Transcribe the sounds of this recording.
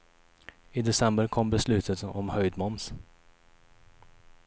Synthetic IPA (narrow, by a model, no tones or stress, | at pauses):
ɪd̪ɛsɛmbəɾkʰɔmbɛslʉ̟ːt̪ʰət̪ɔ̰mhœjd̪mɔns